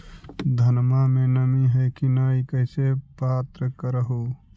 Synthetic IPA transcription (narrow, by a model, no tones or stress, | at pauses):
d̪ʱənmamẽnəmiɦɛkinaikəɪsepaːt̪ɾəkəɾəɦu